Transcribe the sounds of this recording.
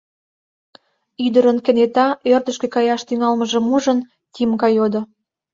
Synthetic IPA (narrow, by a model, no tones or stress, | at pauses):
yd̪əɾənkə̆net̪ɑørd̪ə̆ʃkĕkɑjɑʃt̪yŋɑlməʒĕmuʒən | t̪imkɑjod̪o